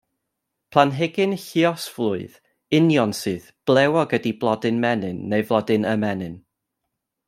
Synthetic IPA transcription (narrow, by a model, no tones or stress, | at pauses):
pʰlˠanɦɛɡɨnɬiɔsvlˠʊɨð | ɪnjɔnsɨːðb̥lˠɛwɔɡədiblˠɔdɨnmɛnɨnːejvlˠɔdɨnəmɛnɨn